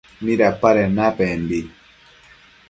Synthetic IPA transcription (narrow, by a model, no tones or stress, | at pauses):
miɾapaɾɛnapɛmbi